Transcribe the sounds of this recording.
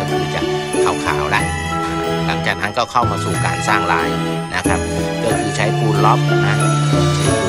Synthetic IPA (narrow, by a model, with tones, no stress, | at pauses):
ɔ˥˩t̪ʰɯː˧˩t͡ɕa˨˩ʔkʰa˨˩wkʰa̰ː˩˦wla˧ʔ | la˨˩˦ŋt͡ɕaː˨˩k̚na˦˥nkɔː˥˩wkʰa˥˩wmaː˧suː˨˩ka̰ː˨˩nsaː˥˩ŋlaː˦˥j | na˦˥kʰa˦˥p̚lɯ˥˩t̪ʰiː˧˩t͡ɕʰa˦˥jkuː˧˥nlɔ˦˥˩p̚na˦˧˥iː˧˩˧sʰi˧˩